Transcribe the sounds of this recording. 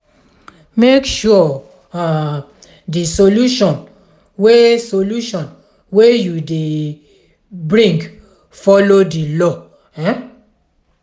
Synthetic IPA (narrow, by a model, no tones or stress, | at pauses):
mekʃuɔ | a | disoluʃɔ̃n | wesoluʃɔ̃n | wejude | bɹĩŋɡ | fɔlodilɔ | ɛ̃